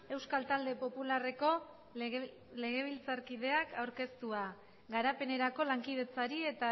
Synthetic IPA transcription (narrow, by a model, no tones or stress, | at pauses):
e̞wskalt̪ald̪e̞po̞pulare̞ko̞ | le̞ɣe̞β̞ilt͡saɾkið̞e̞akawɾke̞st̪ua | ɡaɾape̞ne̞ɾako̞laŋkið̞e̞t͡saɾie̞t̪a